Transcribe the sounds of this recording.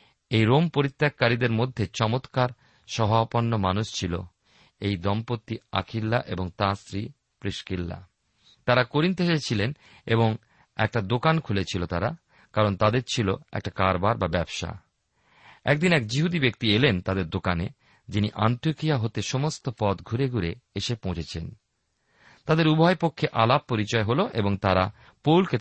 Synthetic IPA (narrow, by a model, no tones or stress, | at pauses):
ejɾompoɾit̪ːakːaɾid̪eɾmod̪ʱːet͡ɕɔmot̪kaɾ | ʃɔɦaopɔnːomanuʃt͡ɕʰilo̰ | ejd̪ɔmpot̪ːia̰kʰilːaʔeboŋt̪ãsɾi | pɾiʃkilːa̰ | t̪aɾakoɾint̪eʃet͡ɕʰilen | eboŋ | ɛ̰k̚ʈad̪okankʰulet͡ɕʰilot̪aɾa | kaɾont̪ad̪eɾt͡ɕʰiloɛ̰k̚ʈakaɾbaɾbabɛbʃa̰ | ɛ̰k̚d̪inɛkd͡ʑiɦud̪ibek̚t̪ielent̪ad̪eɾd̪okane | d͡ʑiniʔa̰nt̪iokijaɦot̪eʃɔmost̪opɔt̪ɡʱuɾeɡuɾeeʃepõw̃t͡ɕʰet͡ɕʰen | t̪ad̪eɾubʱɔepokʰːeʔalap̚ːoɾit͡ɕɔeɦoloʔeboŋt̪aɾa | powlke